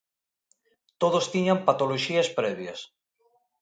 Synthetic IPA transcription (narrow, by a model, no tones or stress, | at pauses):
t̪oðost̪iɲampat̪oloʃiaspɾɛβjas